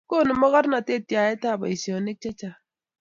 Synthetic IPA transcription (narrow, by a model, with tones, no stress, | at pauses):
ko˦˨nu˨mɔ˦ɣa˦ɾna˨te˦˨ti˨a˨je˦ta˦˨ba̰˨i˨si˨ɔ˨ne˦t͡ʃe˦t͡ʃa˨